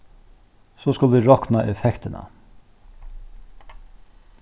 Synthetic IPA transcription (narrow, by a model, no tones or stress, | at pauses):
soːskʊlʋiːɹɔknɑʔɛfɛkt̪ənɑ̰